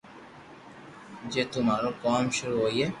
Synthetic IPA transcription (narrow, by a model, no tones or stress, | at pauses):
d͡ʒeːt̪ʊmaːɾokɔːmʃʊɾuɦoːieː